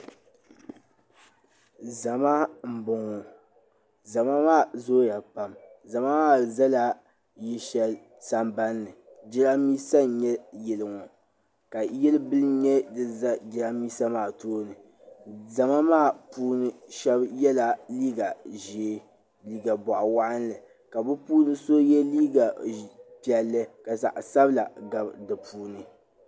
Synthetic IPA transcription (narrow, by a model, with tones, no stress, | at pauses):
za˨ma˦m̩˨bʊ˨ŋɔ˨ | za˨ma˦maː˦˨zoː˦ja˨pa˨mza˨ma˦maː˦˨za˦la˦ | ji˦ʃɛ˦l | sa˦mba˦nːɨ˨ | d͡ʒɪ˦la˦miː˦sa˦˨ɲɛ˦jɛ˨lɨ˨ŋɔ˨ | ka˨jɛ˦lɨ˦bɨ˦lɲɛ˦dɨ˨za˦d͡ʒɪ˦ɾa˦miː˦sa˦maː˦˨toː˦nɨ˨ | za˨ma˦maː˦˨puː˦nɨ˦ʃɛ˦bjɛ˦la˨liː˦ɡa˨ʒeː˨˦ | liː˦ɡa˨bɔ˨ʔwa˦ʔa˦n˦lɨ˨ | ka˨bʊ˦puː˦nɨ˦so˦jɛ˦liː˦ɡa˨pi˨˦ɛ˨lːɨ˦ka˨za̰˨ʔsa˦bla˨ɡa˨bdɨ˨puː˦nɨ˦